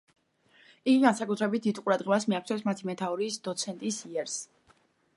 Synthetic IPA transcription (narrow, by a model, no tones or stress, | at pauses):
iɡiɡansakʼut̪ʰɾɛbit̪̚d̪id̪qʼuɾad̪ʁɛbasmiakʰt̪sʰɛfsmat̪ʰimɛt̪ʰauɾiːsd̪ɔt̪sʰɛnt̪ʼisiɛɾs